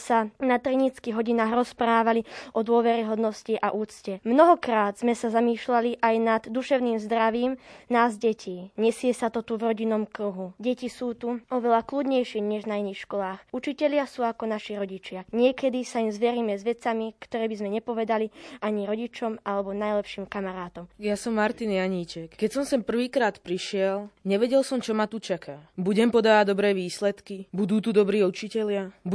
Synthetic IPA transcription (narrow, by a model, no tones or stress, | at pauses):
sanat̪ɾɛɲit͡skiɦɔɟinaːɣɾɔspɾaːʋaliʔɔd̪ʊɔʋɛɾiɦɔd̪nɔsciʔaʔuːt͡scɛmnɔɦɔkɾaːd̪z̥mɛsazamiːʃlaliʔajnad̪ːuʃɛʊniːmzd̪ɾaʋiːmnaːzɟɛcʰiːɲɛsɪɛsat̪ɔt̪uvɾɔɟinːɔmkɾuɦuɟɛcisuːt̪uɔʋɛlaklud̪ɲɛjʃiɲɛʒnainiːxʃkɔlaːxut͡ʃicɛʎɪasuːakɔnaʃiɾɔɟit͡ʃɪaɲɪɛkɛd̪isaimzʋɛɾiːmɛzʋɛt͡samikt̪ɔɾɛːbizmɛɲɛpɔʋɛd̪aliaɲiɾɔɟit͡ʃɔmalɛbɔnajlɛpʃiːmkamaɾaːt̪ɔmjasɔmːaɾt̪injaɲiːt͡ʃɛkkɛcsɔmsɛmpr̩ʋiːkɾaːt̪pɾiʃɪɛlɲɛʋɛɟɛlsɔmt͡ʃɔmat̪ut͡ʃakʰaːbuɟɛmpɔd̪aːʋaɟd̪ɔbɾɛːʋiːslɛt̪kibud̪uːt̪ud̪ɔbɾiːut͡ʃicɛʎɪabu